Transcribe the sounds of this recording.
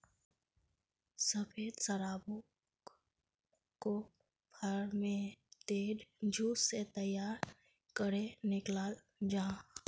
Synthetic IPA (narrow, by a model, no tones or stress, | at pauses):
səpʰeːd̪səɾaːbo | ko | pʰəɾmẽt̪eːɖd͡ʒʱuːsset̪əjaːɾ | kəɾenɪklaːl | d͡ʒãː